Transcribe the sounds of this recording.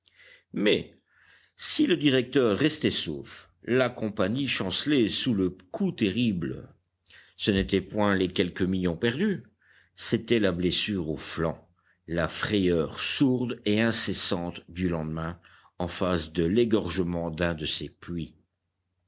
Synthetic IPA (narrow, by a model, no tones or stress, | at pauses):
mɛ | siləd̪iʁɛk̚t̪œːʁːɛst̪ɛsoːf | lakɔ̃paɲiʃɑ̃slesuləkʰut̪eʁiblə | sənet̪ɛpwɛ̃lɛkʲɛlkəmiljɔ̃pɛʁd̪y | set̪ɛlablesyːʁoflɑ̰̃ | lafχɛjœʁsuʁd̪eɛ̃sesɑ̃t̪d̪ylɑ̃d̪mɛ̃ | ɑ̃fasd̪əleɡɔʁʒəmɑ̃d̪ɛ̃d̪əseplɥi